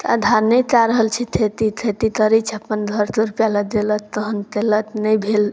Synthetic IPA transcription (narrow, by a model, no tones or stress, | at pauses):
t̪ad̪ʱaɾnəjt̪aɾəɦəlt͡ʃʰit̪ʰet̪it̪ʰet̪it̪əɾit͡ʃʰəpːənd̪ʱəɾt̪uɾpjaləd̪elət̪ːəɦənt̪elət̪nəjbʱel